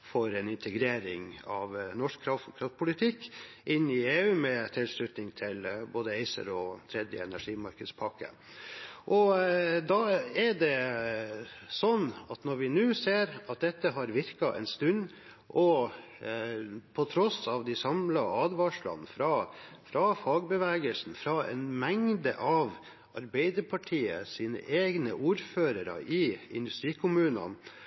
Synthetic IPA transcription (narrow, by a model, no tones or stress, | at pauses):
fɔɾɛnɪnt̪ʰəɡɾeːɾɪŋɑʋnɔʂkʰːɾɑft̪ɔkʰɾɑft̪̚pʰʊlɪt̪ʰɪkː | ʔɪnːɪeːʉːmɛt̪ʰɪlʂɭʉt̪nɪŋt̪ʰɪlboːd̪əɛɪsə̰ɾɔt̪ʰɾɛd̪jə̰ɛnæʂiːmɑɾkəd̪spʰɑkə̰ | ʔɔd̪ɑːɛɖɛ | sɔnːɑt̪nɔɾʋɪnʉːseːɾɑt̪̚d̪ɛt̪ːəɦɑɾʋɪɾkɑʔɛ̰nst̪ʉn | ʔɔ | pʰɔt̪ʰɾɔsɑʋd̪ɪsɑmlɑɑːd̪ʋɑːʂlɑ̰nːfɾɑfɾɑfɑːɡ̚bəʋæːɡəlsn̩fɾɑɛ̰nmɛŋd̪ə̰ʔɑʋ | ɑɾbɛɪd̪əɾpʰɑʈʰiːə̰siːnə̰ʔeːɡnəʔuːɾføːɾəɾə̰ʔɪɪ̰nd̪ʉst̪ɾiːkʰʊmʉːnə̰n